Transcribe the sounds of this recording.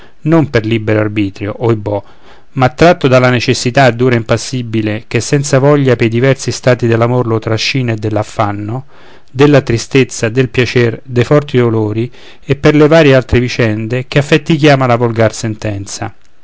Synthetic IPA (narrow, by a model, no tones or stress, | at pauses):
nomperlibeɾoarbiːt̪ɾjoʔojbɔ | mat̪ːɾat̪ːod̪alanet͡ʃesːit̪aːd̪ːuːɾaimpasːibilek̟esːɛnt̪savɔʎːapejd̪ivɛrsist̪aːt̪id̪elːamorlot̪ɾaʃːiːnaed̪ːelːafːanːo | d̪elːat̪ɾist̪et̪sːad̪elpjat͡ʃɛrd̪ejfɔrt̪id̪oloːɾi | epːerlevaːɾjealt̪ɾevit͡ʃɛnd̪ekeafːet̪ːikjaːmalavolɡarsent̪ɛnt̪sa̰